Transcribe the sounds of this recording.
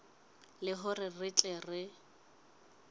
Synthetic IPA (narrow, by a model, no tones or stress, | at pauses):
lɪɦʊrɪrɪt͡ɬʼɛrɪ